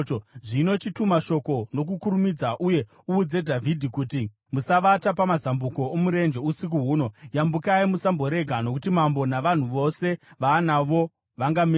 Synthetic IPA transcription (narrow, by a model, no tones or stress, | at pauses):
ʐino̞t͡ʃitumaʃo̞ko̞no̞k̬ukuɾumid͡zaʔuje̞ | uːd͡ze̞dʱavʱidʱikuti | musaʋatapamazambuko̞omuɾe̞nd͡ʒe̞usik̬uɦuːno̞jambukaimusambo̞ɾe̞ɡʱano̞kutimambo̞naʋan̤uʋo̞se̞ʋanaʋo̞ | ʋaŋɡame